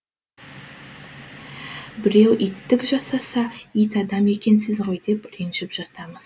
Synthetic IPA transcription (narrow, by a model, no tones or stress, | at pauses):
bɪɾe̞wʔijt̪ːɪkʒɑsɑsɑijt̪ɑd̪ɑme̞kʲe̞nsɪzʁo̞jd̪e̞pɾenʒɪpʒɑt̪ɑməz̥